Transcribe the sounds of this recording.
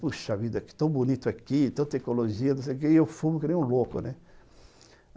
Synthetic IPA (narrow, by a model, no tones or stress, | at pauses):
puʃavid̪ɐkɪ̥t̪ɐ̃w̃bunit̪ʊakit̪õw̃t̪eknoloʒiɐnʊsejk̬eewfũmʊkɪnẽj̃ũlokʊ̰nɛ